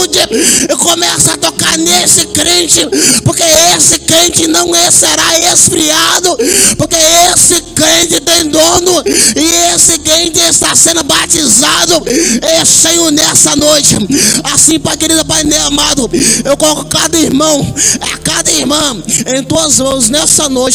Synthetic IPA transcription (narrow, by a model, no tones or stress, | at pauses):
d͡ʒɪɪkomɛsʊat̪okaɾnesɪkɾẽnt͡ʃɪpoɾkeesɪkɾẽt͡ʃɪnɐ̃w̃eseɾaesfɾiad̪ʊpoɾkeesɪkɾẽt͡ʃɪt̪ẽj̃d̪õnʊɪesɪkɾẽnt͡ʃɪest̪asẽnd̪ʊbat͡ʃizad̪ʊesẽj̃ʊnɛsɐnojt͡ʃɪasĩpajkeɾid̪ʊpajmẽamad̪ʊewkolɔkʊkad̪ɐiɾmɐ̃w̃akad̪ɐiɾmɐ̃w̃ẽj̃t̪uɐzmɐ̃w̃snɛsɐnojt͡ʃɪ